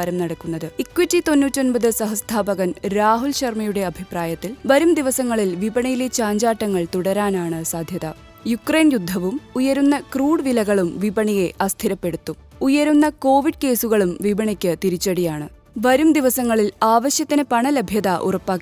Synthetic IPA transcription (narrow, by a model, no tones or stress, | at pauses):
ɐɾɐmnɐɽɐkːunːɐðɨikːuʋɐtːit̪o̞nːuːtːio̞npɐðɨsɐɦɐst̪ʰaːbɐɣɐnɾaːɦulɕɐrmɐjuɽe̞ɐbʱipraːjɐt̪ːilʋɐɾumd̪iʋɐsɐŋːɐɭilʋibɐɳijilet͡ɕaːɲd͡ʑaːʈːɐŋːɐɭt̪uɽɐɾaːnaːɳɨsaːd̪ʱjɐðɐ | jukrejnjud̪ʱːɐʋumujɐɾunːɐkruːɽʋilɐɣɐɭumʋibɐɳije̞ʔɐst̪ʰiɾɐpːe̞ɽut̪ːu | ujɐɾunːɐko̞ːʋiɖ̚ke̞ːsuɣɐɭumʋibɐɳikʲːɨt̪iɾit͡ɕːɐɽijaːɳɨ | ʋɐɾumd̪iʋɐsɐŋːɐɭilaːʋɐɕjɐt̪ːinɨpɐɳɐlebʱjɐðaʔṵrɐpːaːkː